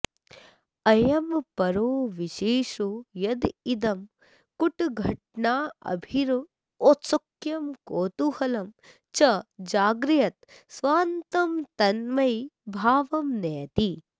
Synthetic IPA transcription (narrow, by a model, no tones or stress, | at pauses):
ɐjɐmpɐɾoːʋiʃeːʂujɐd̪id̪ɐm | kuʈɡʱɐʈ̚ɳaːɐ̰bʱiɾ | oːt̪sɐkjɐmkoːt̪uhɐlɐm | t͡ʃɐd͡ʒaːɡɾijɐt̪ | sʋaːnt̪ɐmt̪ɐnmɐjbʱaːʋɐmnɛːt̪i